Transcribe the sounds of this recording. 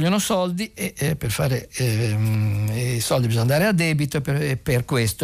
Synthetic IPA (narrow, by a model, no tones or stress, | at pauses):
ʎːjonosɔld̪ieperfaːɾe | isɔld̪ibizɔnɲand̪aːɾead̪ɛːbit̪opeperkwest̪o